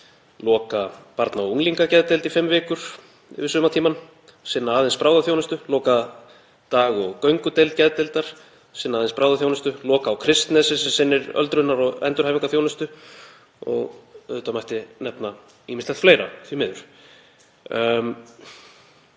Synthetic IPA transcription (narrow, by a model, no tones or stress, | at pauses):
lɔːkapaɾt̪nauŋliŋkacɛðt̪ejlt̪ifɪmvɪːkʏɾ̥̰ | vɪ̥sʏːmat̪ʰiːman | sɪnːaːðɪnspɾaːwðaθjownɪst̪ʏlɔːka | t̪aːɣɔɣkœɥŋkʏt̪ejlt̪̚cɛðt̪ejlt̪aɾ̥ | sɪnːaːðɪnspɾawðaθjownʏst̪ʏlɔːkaːwkʰɾɪst̪nɛsɪsɛmsɪnːɪɾœ̰lt̪ɾʏnaɾɔɣɛ̰nt̪ʏɾhajviŋkaθjownɪst̪ʏ | ɔ̰ɣœ̰t̪amajht̪ɪnɛpna | iːmɪst̪ɛht̪fleːjɾa̰θimɪːðʏɾ̥